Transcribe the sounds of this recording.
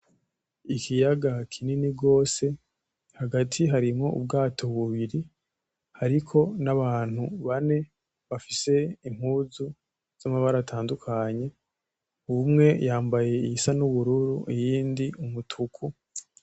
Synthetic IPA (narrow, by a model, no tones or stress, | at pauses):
ikʰijaɡakʰininiɡo̞ːse̞ | haɡatʰiɦaɾimŋo̞̰ṵbɡaːtʰo̞βuβiɾi | haɾikʰo̞naβaːn̥huβane̞ | βafise̞im̥huːzu | z̥amaβaɾatʰaːndukʰaɲe̞ | umŋe̞jaːmbaje̞iisanuβuɾuɾuʔijiːndiumutʰukʰu